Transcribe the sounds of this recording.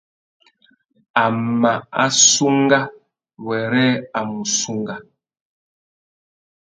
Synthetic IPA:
a˨ma˨a˦su˦ŋɡa˦ | wɛ˨ɾɛ˦a˨mu˨su˦ŋɡa˦

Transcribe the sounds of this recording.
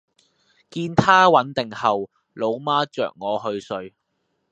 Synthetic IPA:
kiː˧nt̪ʰaː˥wɐ˨˥nt̪ɪ˨ŋhɐ˨w | lo˨˧˥wmaː˥t͡ʃœ̰ː˨k̚ŋɔː˨˧ɦɵ˧ɥsɵ˧ɥ

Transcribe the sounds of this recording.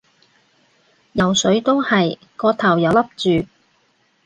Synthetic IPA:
jɐ˨˩wsɵ˨˥ɥt̪o˥whɐ˨j | kɔː˧t̪ʰɐ˨˩wjɐ˨˥wlɐ˥p̚t͡ʃyː˨

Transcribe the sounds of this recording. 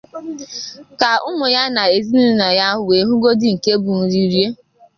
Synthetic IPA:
ka˨ʊ˦mʊ˨ja˦na˨e˨zi˦nu˦na˨ja˦ɦʊ˨we˨˦ɦʊ˦ɡo˦dɪ˦ŋ̩˨ke˦bu˨n̩˨ɾi˦ɾje˦

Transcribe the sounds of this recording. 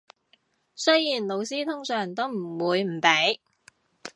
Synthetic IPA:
sɵ˥jjiː˨˩nlo˨˧wsiː˥t̪ʰʊ˥ŋsœː˨˩ŋt̪o˥wm̩˨˩wuː˨˧jm̩˨˩pe˨˥j

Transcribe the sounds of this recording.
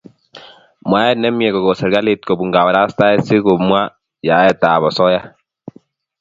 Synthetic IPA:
m˨a˦ɛ˦nɛ˦mjɛ˨kɔ˨ɡɔ˨sɛ˨ɾɡa˦le˨t̪̚ko˨bu˨ŋɡa˨wa˨ɾa˦st̪a˦ɛ˦si˦ko˨mwa˦ | ja˨˦ɛ˦t̪a˨bɔ˨sɔ˦ja˦

